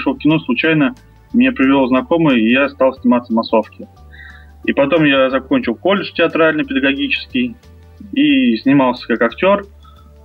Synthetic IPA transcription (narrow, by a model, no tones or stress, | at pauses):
ʂlˠofkʲɪnoslˠʊt͡ɕæjnə | mnʲepɾʲɪvʲɪlˠoznɐko̞mɨjəɪjast̪aɑlˠsʲnʲɪmat̪səmɐso̞fkʲɪ | ipɐt̪o̞mjazɐko̞nʲt͡ɕɪlˠko̞lʲɪʂtʲɪɐt̪ɾalʲnɨjpʲɪd̪əɡɐɡʲit͡ɕɪ̥skʲɪj | isʲnʲɪmalˠsʲə̥kakɐktʲo̞r